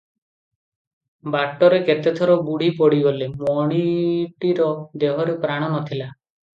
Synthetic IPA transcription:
baʈːɔɾeket̪et̪ʰɔɾɔbuɽ̤ipɔɽiɡɔlemɔɽ̃iʈiɾɔd̪eɦɔɾepɾaɽ̃ɔnɔt̪ʰila

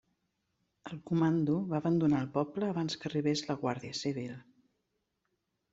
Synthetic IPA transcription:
əlˠkumand̪uβaəβənd̪unaːlˠpɔpləːβanskəriβ̞ezləɣwaɾðiəsiβ̞ilˠ

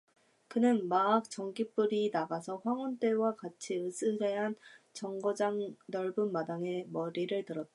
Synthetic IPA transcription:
kɯnɯnmaak̚t͡ɕ͈ʌŋɡip͈uɾinaɡasʰʌɸwaŋʌnt͈e̞wakat͡ɕʰiɯs͈ʰɯde̞ɦant͡ɕʌŋɡod͡ʑaŋnʌɭbunmadaŋe̞mʌɾiɾɯɭtɯɾʌt̚t͈a

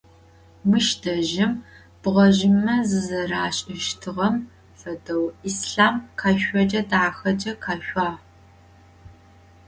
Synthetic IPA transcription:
mɨʃdɐʒɪm | b̥ʁɐʒɪmɐzɨzɐraːɕʼɪʃtʰɨʁɐm | fɐdɐwisɬaːmqʰaːʃʷɔd͡ʒʼɐdaːxɐd͡ʒʼɐqʰaːɕʷʼaː

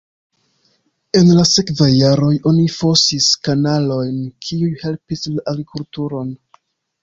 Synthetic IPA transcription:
e̞nlase̞kvajːaɾo̞jo̞nifosiskanalo̞jnkʰiujhe̞lpislaʔaɡɾikʰultuɾo̞n

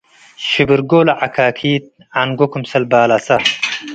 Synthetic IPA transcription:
ɕibiɾɡoːlɐʕakʰaːkʰiːt̪̚ | anɡokumsɐlbaːlasɐ

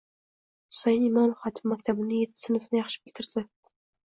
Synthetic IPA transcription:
ʊ̥sɑj̪ɪmɑnχɑt̪ʰɪmːakʲt̪ʰabɪnɪjet̪ʰːɪ̥sɪnʊfnɪjɑχʃɪ̥bɪlt̪ʰɪɾd̪ɪ

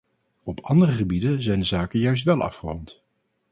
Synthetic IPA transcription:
ɔpɑndərəχəbidənzɛjndəzaːkəjœɥs̬tʋɛlˠʔɑ̰fχərɔmt

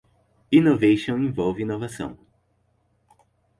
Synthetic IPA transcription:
inovejʃõw̃ĩvɔwvɪinovasɐ̰̃w̃

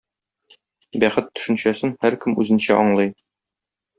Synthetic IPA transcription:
bæχɘt̪ːɵ̥̆ʃɘ̆nɕæsɘnhæɾkɘmʉzɘ̆nɕæʔɒɴlˠɤj

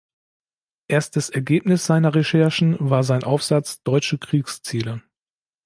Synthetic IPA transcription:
ʔeːɐstəsɛɐɡeːpnɪsz̥aɪnɐʁeʃɛɐʃn̩vaːɐzaɪnʔaʊfz̥at͡sd̥ɔʏt͡ʃəkʁ̥iːkst͡siːlə

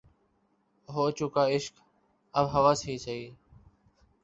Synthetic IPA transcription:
ɦoːt͡ʃʊkaːɪʃk | əbɦəʋaːsiːt͡ʃəiː

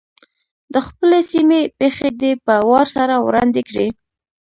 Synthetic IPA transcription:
d̪əxpəlesimepexed̪epəwɑɾsaɾawɾɑ̰nd̪ekɽi

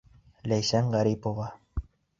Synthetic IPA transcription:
læjsæŋʁɑɾipovɑ

